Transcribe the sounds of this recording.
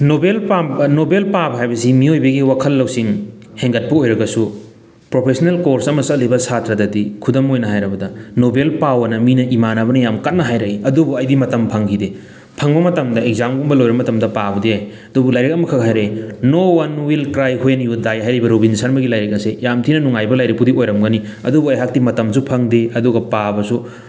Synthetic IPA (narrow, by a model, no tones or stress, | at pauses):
nobelpanobelpabɦajbɐsimiojbɐɡiwakʰɐlːɐwsiŋ | heŋɡɐt̚pɐojɾɐɡɐsu | pɾopʰesonelkoɾsɐmɐsɐklibɐsatɾɐdɐdikʰudɐmojnɐɦajɾɐbɐdɐnobelpawɐnɐminɐʔimanɐbɐnɐjamkɐt̚nɐɦajɾɐkiɐdubuɐjdimɐtɐmpʰɐŋkʰide | pʰɐŋbɐmɐtɐmdɐeɡ̚zamɡumbɐlojɾɐmɐtɐmdɐpabudiaj | ɐdubulajɾek̚ɐmɐkʰɐk̚ɦajɾɐjnowɐnwilkɾajhunjudajɦajɾɐjbɐɾobinsɐnmɐɡilajɾek̚ɐsejamtʰinɐnuŋajbɐlajɾik̚pudiojɾɐmɡɐni | ɐ̰dubuɐjɦak̚timɐtɐms̬upʰɐŋdeɐduɡɐpabɐsu